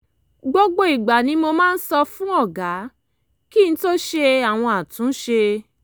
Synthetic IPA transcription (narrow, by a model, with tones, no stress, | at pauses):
ɡ͡bo˦ɡ͡bo˧i˨ɡ͡ba˨nĩ˧˦mo˧mãː˦n̩˦sɔ˧fũ˦ɔ˦˨ɡa˨˦ | ki˦˨n̩˦to˦ʃe˧a˨w̃ɔ̃˧a˨tũ˨˦ʃe˧